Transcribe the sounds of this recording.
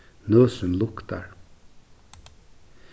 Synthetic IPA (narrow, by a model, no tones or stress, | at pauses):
nøːsʏnlʊkt̪a̰ɹ